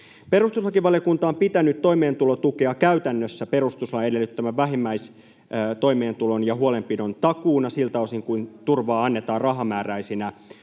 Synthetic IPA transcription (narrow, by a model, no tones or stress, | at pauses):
pe̞rust̪uslɑkiʋʋɑlijokunt̪ɑompit̪ænyt̪t̪oimeːnt̪ulo̞t̪ukeɑkæyt̪ænːøsːæpe̞ɾust̪uslɑe̞delːyt̪ːæmæʋʋæɦimːæis | t̪ojme̞ːnt̪ulo̞njɑhuole̞mpinont̪ɑkuːnɑsilt̪ɑosiŋkuint̪urʋɑːɑnːe̞t̪ɑːrrɑɦɑmæːræisinæ